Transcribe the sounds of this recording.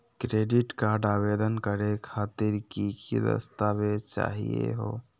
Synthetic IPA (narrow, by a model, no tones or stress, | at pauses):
kɾeɖiʈkaɾɖabed̪ənkəɾekʰaːt̪iɾkikʰid̪ə̰st̪abet͡ʃa̰ɦḭjḛɦo̰